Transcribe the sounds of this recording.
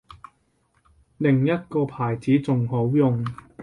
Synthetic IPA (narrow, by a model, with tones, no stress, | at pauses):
lɪ˨ŋjɐ˥t̚kɔː˧pʰaː˨˩jt͡siː˨˥t͡sʊ˨ŋɦo˨˥wjʊ˨ŋ